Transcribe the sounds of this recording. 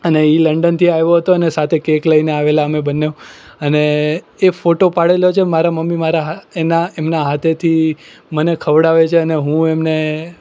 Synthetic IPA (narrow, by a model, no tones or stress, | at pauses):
əneiləɳɖənt̪ʰiajʋjoɦət̪oənesat̪ʰekekləineaʋelaəmebənːeũ | əneː | foʈopaɽeljot͡ʃʰemaɾaməmːimaɾaɦenaemnaɦat̪ʰet̪ʰimənekʰəʋɽaʋet͡ʃʰeəneɦũemne